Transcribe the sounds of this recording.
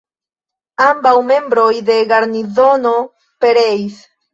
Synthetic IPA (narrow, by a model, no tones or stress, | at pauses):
ambawme̞mbɾo̞jde̞ɡaɾnizo̞no̞ | pe̞ɾeis